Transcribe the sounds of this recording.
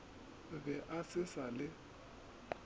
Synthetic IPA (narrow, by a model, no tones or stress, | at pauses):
βɛʔasɪsalɪ